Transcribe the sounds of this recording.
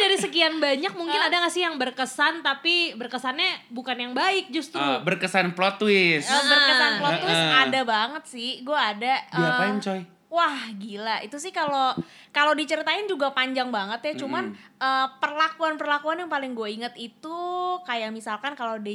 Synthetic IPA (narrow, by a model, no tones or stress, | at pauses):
daɾisəkianbaɲak̚muŋkɪnadaŋasɪhjaŋbərkəsant̪apibərkəsanɲɛbukanjaŋbaɪk̚d͡ʒust̪ɾubərkəsanplot̪wɪsbərkəsanplot̪wɪsadabaŋət̪̚sɪhɡuaːdaapaɲt͡ʃɔj | wahɡilait̪usɪhkalo | kalodit͡ʃəɾit̪aɪnd͡ʒuɡapaɲd͡ʒaŋbaŋət̪jat͡ʃumanəːpərlakuanpərlakuanjaŋpalɪŋɡuaiŋət̪it̪ukajamisalkankalodɛ